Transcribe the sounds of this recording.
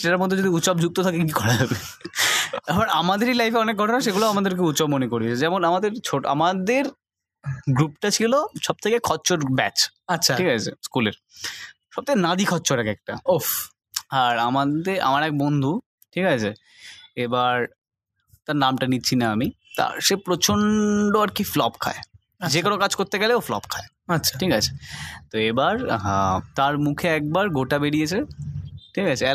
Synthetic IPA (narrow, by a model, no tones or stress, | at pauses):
ʃeaɾmɔd̪ʱːod͡ʑod̪iut̪ːʃɔb̚d͡ʑʱuk̚t̪ot̪ʰakekikikʰɔɾad͡ʑabe | abaɾamad̪eɾilajfeɔnek̚ɡʱɔʈonaʃeɡulaoamad̪eɾk̬eut̪ːʃɔbmonekoɾiet͡ɕʰed͡ʑɛmonamad̪eɾt͡ɕʰoʈa̰mad̪eɾ | ɡɾupʈat͡ɕʰiloʃɔb̚t̪ʰekekʰɔtːɕoɾbɛ̰t͡ɕatːɕʰaʈikat͡ɕʰḛskuleɾ | ʃɔb̚t̪ʰekenad̪ikʰɔtːɕʰoɾɛkɛk̚ʈao | aɾamat̪eʔa̰maɾɛk̚bond̪ʱu | ʈʰikat͡ɕʰe | ebaɾ | t̪aɾnamʈanitːɕʰinaami | t̪a̰ɾʃepɾot͡ɕʰoɳɖoaɾkiflɔpkʰa̰e | d͡ʑekonokad͡ʑkoɾt̪eɡɛleoflɔ̰p̚kʰae | ɐtːɕʰaʈʰikat͡ɕʰe̥t̪oebaɾɦat̪aɾmukʰeɛk̚baɾɡʱoʈabeɽijet͡ɕʰeʈʰikat͡ɕʰe